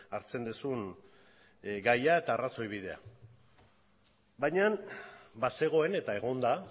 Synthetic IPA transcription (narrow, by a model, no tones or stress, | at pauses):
aɾt͡se̞nd̪usun | ɡajae̞t̪aːraso̞jβ̞ið̞e̞a̰ | bajɲanbase̞ɣ̞o̞e̞ne̞t̪ae̞ɣo̞nd̪a